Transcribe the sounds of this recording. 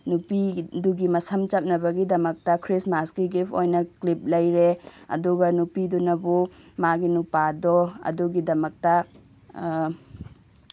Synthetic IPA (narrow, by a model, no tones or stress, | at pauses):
nupiduɡimɐsɐmt͡ʃɐp̚nɐbɐɡidɐmɐk̚tɐkʰɾismaskiɡipʰojnɐklip̚lɐjɾeɐ̰duɡɐnupidunɐbumaɡinupadɔɐ̰duɡidɐmɐk̚tɐ